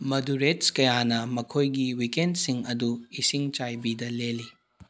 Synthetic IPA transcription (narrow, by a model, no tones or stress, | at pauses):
mɐduɾetskɐjanɐmɐkʰojɡiwikendsiŋɐduisiŋt͡ʃajbidɐleli